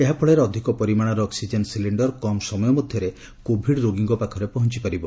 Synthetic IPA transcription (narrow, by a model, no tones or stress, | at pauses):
eɦapʰɔɭeɾeɔd̪ʱikɔpɔɾimaɽ̃aɾɔɔksid͡ʒensiliɳɖɔɾkɔmsɔmɔjɔmɔd̪ʱjɔɾe | kobʱiɽɾoɡiŋɡɔpakʰɔɾepɔɦɔnt͡ʃipaɾibɔ